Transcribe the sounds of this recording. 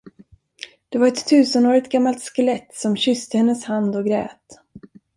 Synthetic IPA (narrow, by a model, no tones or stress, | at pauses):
d̪̥ɛvaɾɛt̪ʰːʉ̟ːsənoːɾɪt̪ɡamːalt̪skəlɛt̪sɔmɕʏst̪əhɛnːəshand̪ɔɡɾɛ̰ːt̪